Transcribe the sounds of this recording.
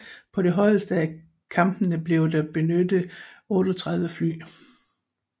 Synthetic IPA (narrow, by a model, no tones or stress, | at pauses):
pʰɒ̽ɾe̝ɦɒ̽ɪ̰əsd̥əæ | kʰɑ̈mb̥ənəb̥le̝ʊd̥ɑb̥e̝nødəɔ̽ːɾ̥ɒt͡sʰʁɑ̈ð̞ˠʋəfly̰ː